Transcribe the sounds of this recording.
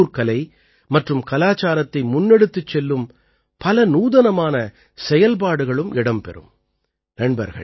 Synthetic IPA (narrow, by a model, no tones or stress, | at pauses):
ɾkɐlɐɪ | mɐʈrɯmkɐlaːt͡ʃaːɾɐt̪ːɐɪmʊnːɛɽɯt̪ːɯt͡ʃːɛlːɯm | pɐlɐnuːðɐnɐmaːnɐ | sɛjɐlp̬aːɽɯɣɐɭɯmɪɽɐmpɛ̰ɾɯ̰m | nɛɳbɐ̰ɾɣɐ̰ɭ